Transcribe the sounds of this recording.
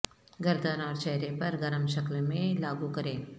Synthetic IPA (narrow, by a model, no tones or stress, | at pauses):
ɡɐɾd̪ʱanaːɾt͡ʃɛɦɾepɐɾɡɐɾəmʃɐklmẽlaːɡukɐɾẽː